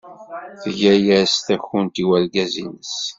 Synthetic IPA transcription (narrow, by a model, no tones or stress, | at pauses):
θəʝæjæst̪æçunt̪iwælɡæzinəs